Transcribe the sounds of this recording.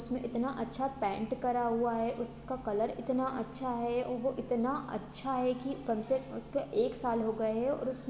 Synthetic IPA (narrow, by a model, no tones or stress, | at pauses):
ʊsmẽʔɪt̪naʔɐtːʃʰapɛ̃ːɳʈkɐɾaɦuaɦɛʔʊskakɐləɾɪt̪naʔɐtːʃʰaɦɛɔʋoʔɪt̪naʔɐ̰tːʃʰaɦɛkikɐmseʊskeʔeːksaːlɦoɡɐeɦɛɔ̰ːɾʊs